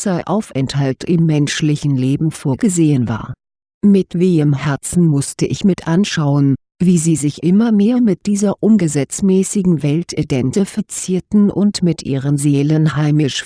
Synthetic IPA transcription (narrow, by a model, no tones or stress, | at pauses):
z̥aɪʔaʊfʔɛnthaltʰʔɪmːɛnʃlɪçn̩leːbm̩foːɐɡəzeːənva̰ːɐ | mɪtv̥eːəmɦɛɐt͡sn̩mʊstəʔɪçmɪtʔanʃaʊən | viːziːzɪçʔɪmɐmeːɐmɪt̚d̥iːzɐʔʊmɡəzɛt͡smɛːsɪɡŋ̩vɛltʰʔedɛntəfɛɐt͡siːɐtn̩ʔʊ̰ntmɪtʔḭːʁənzeːlənhaɪmɪʃ